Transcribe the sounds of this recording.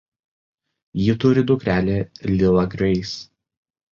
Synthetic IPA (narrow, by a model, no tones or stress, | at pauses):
jɪt̪ʊɾʲɪd̪ʊkɾʲæːlʲeːlʲɪlˠɐɡɾʲɛɪs